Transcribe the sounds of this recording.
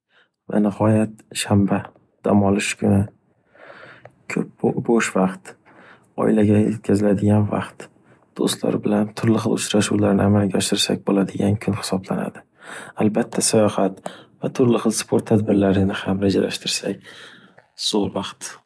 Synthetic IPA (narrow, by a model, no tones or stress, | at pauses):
va̰nɪhɒjat̪̚ʃamba | d̪̥a̰mɒlˠɪʃkʰʲʊnɪ | kʰɵp̚boʃvaqt̪ | ɒ̰ɪ̰laɡʲajet̪̚kʰʲazɪlad̪ɪɡʲanva̰qt̪ | d̪̥o̰st̪la̰ɾbɪlant̪ʰʊɾlɪχɨlˠʊt͡ʃɾaʃuwlaɾnɪamalɡʲaɒʃɪɾsa̰k̚ʲbolad̪ɪɡʲankʰʊnhɪ̥sɒblana̰d̪ɪ | albat̪ʰːasajɒhat̪vat̪ʰʊɾlɪχɨlˠspʰoɾt̪ʰːad̪bɪɾlaɾɪnɪhamɾad͡ʒala̰ʃt̪ʰɪɾsakʲ | z̥oɾvɑqt̪